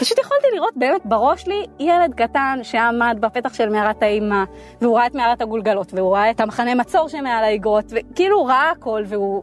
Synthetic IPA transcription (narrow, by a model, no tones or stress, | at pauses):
paʃutjeχoltiliʁo̞t̚be̞ːme̞tbaʁo̞ʃlijele̞d̪̚katanʃe̞amad̪bape̞taχʃe̞lmeaʁataima | veuʁaaetmeaʁathaɡulɡalo̞tveuʁaaethamaχane̞mat͡so̞ʁʃemealaiɡʁo̞t̪vekiiluʁaʔaːko̞lveu